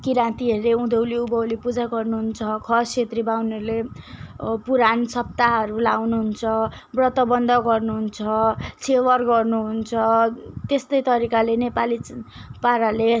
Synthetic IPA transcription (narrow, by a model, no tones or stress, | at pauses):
kiɾãnt̪iɦʌɾileũd̪ʱowliubʌwlipud͡zaɡʌrnuɦunt͡sʰʌkʰʌsʰet̪ribawnʌɾule | puɾansʌp̚t̪aɦʌɾulawnuɦunt͡sʰʌ | brʌt̪ʌbʌnd̪ʱʌɡʌrnuɦunt͡sʰʌsʰewʌrɡʌrnuɦunt͡sʰʌt̪est̪ʌjt̪ʌɾikalenepalipaɾale